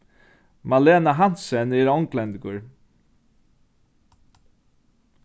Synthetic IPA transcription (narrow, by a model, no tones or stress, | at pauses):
maleːnaɦant̪sɛnɪːɾɔŋklɛnd̪ɡʊɹ